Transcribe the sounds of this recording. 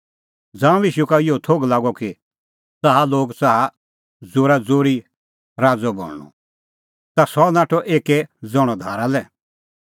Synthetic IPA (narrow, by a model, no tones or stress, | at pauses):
d͡zãːũiʃukaɪjot̪ʰoɡlaːɡɔki | t͡saɦaloːɡt͡saɦa | d͡zoːɾad͡zoːɾi | ɾaːd͡zɔbɔ̰ːlɳɔ̰ | t̪asɔnaːʈʰɔʔeːkɛd͡zɔɽ̃ɔd̪ʱaːɾalɛ